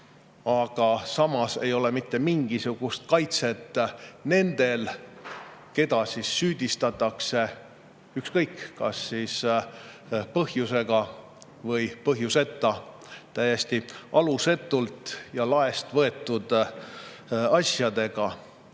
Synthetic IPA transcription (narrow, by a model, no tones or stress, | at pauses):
ɑɡ̥ɑsɑmɑse̞̰jo̞le̞mit̪ːe̞miŋɡ̥isuɡ̥ust̪̚kɑjt̪se̞t̪ˑːne̞nd̪̥e̞l | ke̞d̪ɑsisːyːd̪ist̪ɑt̪ːˑɑkse̞ | ykskɤjkːkɑsːiːs | pɤhjuse̞ɡ̥ɑ | vɤjpɤɦjuse̞t̪ːˑɑ | t̪æjest̪iʔɑluse̞t̪ːˑult̪ˑjɑlɑe̞st̪vɤe̞t̪ːˑud̪̥ | ɑsjɑd̪e̞ɡ̥ɑ